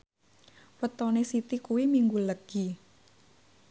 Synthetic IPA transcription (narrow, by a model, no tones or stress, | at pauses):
wət̪ɔnesit̪ikuwimiŋɡuləɡ̥i